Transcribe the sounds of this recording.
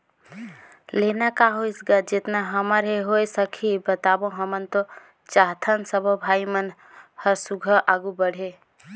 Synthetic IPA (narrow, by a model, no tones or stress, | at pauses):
lenakaɦoisɡəd͡ʒet̪naɦəməɾɦeɦojsəkʰibət̪abõɦəmənt̪o | t͡ʃaɦt̪ʰənsəbʱəbʱaimən | həɾsuɡʱəʔaɡubəɽ̤e